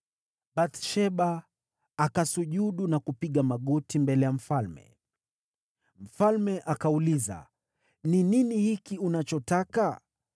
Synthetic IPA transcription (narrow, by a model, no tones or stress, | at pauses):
ɓat̪ʃɛɓa | akasuʄuɗunakupiɠamaɠɔtimbɛlɛjam̩falmɛ̰ | m̩falmɛʔakauliza̰ | nininihikiunat͡ʃɔtaka